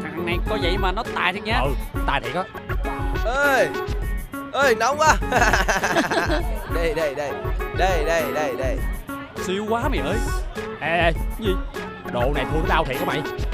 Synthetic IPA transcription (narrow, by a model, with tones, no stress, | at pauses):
haː˨˩ŋna˨˩jkɔ˨˦zə̰˧˨jmaː˨˩nɔ˨˦t̪aː˨˩jt̪ʰə˨˧ɲaː˧ə˨˩t̪aː˨˩j̪t̪ʰi˨kaː˧˦ | ʔəː˨˧j | ʔəː˧˩jna˨˦wŋ͡mʔaː˨˦ | ɗə˧˩jɗə˧˩jɗə˧˩jɗə˧˩jɗə˧˩jɗə˧˩jɗə˧˩j | si˧əwkwaː˨˦ma˨˩jʔəː˧jʔe˨˩ə˧˩jɲi˧˩ | ɗo̰˧˨na˨˩jt̪ʰu˧nɔ˨˦ɗaː˧wt̪ʰḭ˨kːma̰˧˩j